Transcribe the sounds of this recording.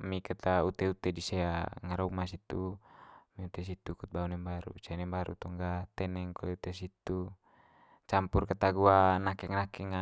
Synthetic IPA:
mikat̪aut̪ɛut̪ɛdisɛaŋaɾɔmasit̪u | miut̪ɛs̬it̪ukut̪̚baunɛmbaɾṵsɛnɛmbaɾṵt̪ɔŋɡat̪ɛnɛŋkɔlɛut̪ɛsit̪u | t͡ʃampurkat̪aɡuanakɛŋnakɛŋa

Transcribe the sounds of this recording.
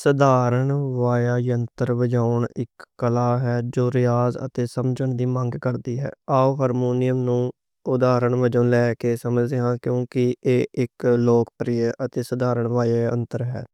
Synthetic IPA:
səd̪aːɾəɳʋaːjaːjənt̪əɾʋəd͡ʒaːʊɳɪkːəlaːɦɛːd͡ʒoːɾɪjaːzə̰t̪eːsəmd͡ʒəɳd̪iːmə̃ŋɡkəɾd̪iːɦɛ̰ːaːoːɦəɾmoːnɪjəmnũː | ʊd̪aːɾəɳʋəd͡ʒəlɛːkeːsəməd͡ʒd̪eːɦãːkjõːkɪeːɪkloːkpəɾɪjəʔət̪eːsəd̪aːɾəɳʋaːjaːjə̰nt̪əɾɦɛ̰ː

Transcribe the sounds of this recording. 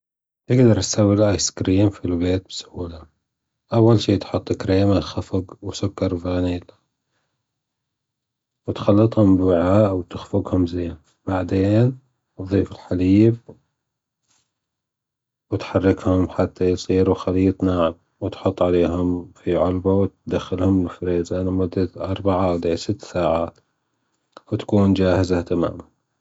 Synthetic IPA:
j̪ɪɡd̪ɑɾˤʔasawːɪlʔaːjskɾiːmfilbeːt̪̚bɪsʊuːla | ʔawːalʃiːt̪ħʊt̪ˤːkɾeːmaxafʊɡwsʊkːɑɾˤfiɣaniːl | wɪt̪xɑlːɨt̪ˤhʊmbwɪʕaːʔwt̪ɪxfʊɡhʊmzeːn | b̥aʕd̪eːn | ʔðˤiːfɪlħaliːb̚ | wɪt̪ħɑrːɪkhʊmħat̪ːajsˤiːɾuxaliːt̪ˤnaːʕɪb̚ | wɪt̪ħʊt̪ˤːʕaleːɦʊmfiʕʊlbawt̪d̪axːɪlhʊmɪlfɾeːzʔanamʊd̪ːaʔɑɾˤbaʕaʔawd̪eːsɪt̪ːsaːʕaːt̪ | wt̪ḁkuːnd͡ʒaːhɪzat̪ama̰ːman

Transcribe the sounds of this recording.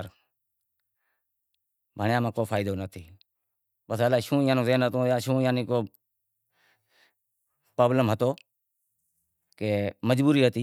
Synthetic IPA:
ɾ | bʱəɳjãːmãːkoːfʰaːɪd̪oːnət̪ʰiː | pəsəlaːiʃũːjãːnõːzeːnɦət̪õːjaːʃũːjãːnĩːkoː | pɾoːbləmɦət̪oː | keːməd͡ʒbuːɾiːɦət̪iː

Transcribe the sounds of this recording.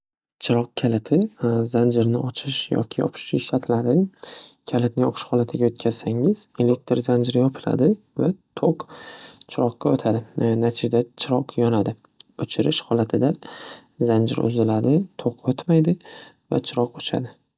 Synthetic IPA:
t͡ʃʰɪɾɒq̚kʲʰalɪt̪ʰɪzand͡ʒɪɾnɪʔɒt͡ʃʰɪʃjɒ̰kʲʰɪjɒ̰pʰɪ̥ʃɪʃat̪ʰlaɾɪkʲʰalɪt̪̚nɪŋɒ̰qʰɨ̥ʃhɒlat̪ʰɪɡʲaot̪̚kʲʰaz̥saŋɪz̥e̞le̞k̚t̪ɾzand͡ʒɪɾɪjɒpʰɪla̰d̪ɪ | vat̪ʰoqt͡ʃʰɪɾɒqːaot̪ʰad̪ɪnat̪ʰɪd͡ʒd̪at͡ʃʰɪɾɒqʰjɒnad̪ɪ | ɵt͡ʃʰɪɾɪʃhɒlˠat̪ʰɪd̪azand͡ʒɪ̰ɾʊ̰zɪlad̪ɪt̪ʰoqʰot̪majd̪ɪ | va̰t͡ʃʰɪɾɒqot͡ʃʰa̰d̪ɪ

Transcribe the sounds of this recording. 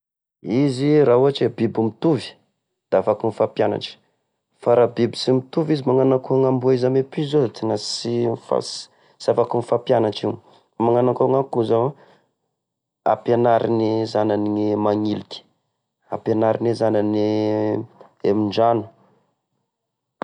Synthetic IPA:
iziɾaɦuaʈ͡ʂebibumit̪uvi̥ | d̪̥afakunfapjana̰ʈ͡ʂi̥ | faɾabibisimit̪uvizimaŋanakuaŋambuaizamepizozat̪inasinfa̰s | siafakunifapjanaʈ͡ʂim | maŋanakaŋakuza | a̰penaɾinizananiimaŋilit̪i̥ | a̰penaɾinezanane | emiɳɖ͡ʐanu̥

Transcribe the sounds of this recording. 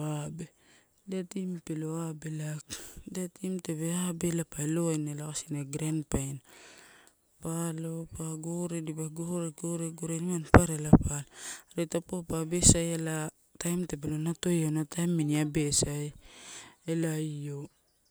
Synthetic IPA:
abe | detimpeloabelakdetimte̞βe̞abe̞lapaeloajnelakasinaɡɾanpajn | palopaɡoɾedibaɡoɾeɡoɾeɡoɾenimanpaɾelapalɾetapopabe̞sajela | tajmte̞pelonato̞jonatajmːiniabe̞saj | elaio

